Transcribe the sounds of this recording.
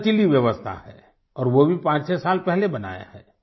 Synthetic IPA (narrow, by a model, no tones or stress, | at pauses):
t͡ʃiliʋjəʋəst̪ʰa̰hɛ̰ː | ɔːɾʋobʱipãːt͡ʃsɛsaːlpɛɦlebɐna̰ːja̰hɛ̰ː